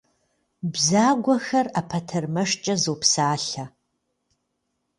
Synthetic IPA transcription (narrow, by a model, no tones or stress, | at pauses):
bzaːɡʷɐxɐrapʰɐtʰɐrmɐʂt͡ʃʼɐzowpsaːɬɐ